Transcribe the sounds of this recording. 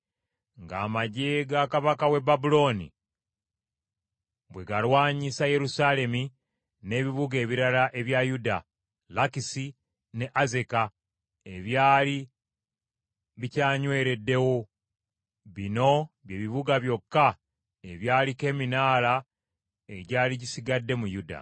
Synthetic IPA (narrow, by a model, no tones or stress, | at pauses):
ŋɡa̰ːmaɟeɡakaβakawe̞babulo̞nḭ | bwe̞ɡalwaːɲisaje̞ɾusale̞mi | ne̞ːβiβuɡe̞ːβiɾalaʔe̞βjajuda | lakisi | ne̞ʔaze̞ka | e̞βjaːli | βicaːɲwe̞ːɾe̞dːe̞wo | βino̞βje̞ːβiβuɡaβjo̞kːa | e̞βjaːlike̞ːminaːla | eɟaːliɟisiɡadːe̞mujuda̰